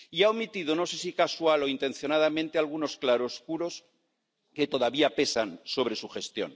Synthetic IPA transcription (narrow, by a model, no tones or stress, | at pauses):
iaomit̪ið̞ono̞se̞sikaswalo̞int̪ẽ̞nθjo̞nað̞amẽnt̪ealɣ̞uno̞sklaɾoskuɾo̞s | ke̞t̪o̞ðaβiape̞sanso̞β̞ɾe̞suxe̞st̪jo̞̰n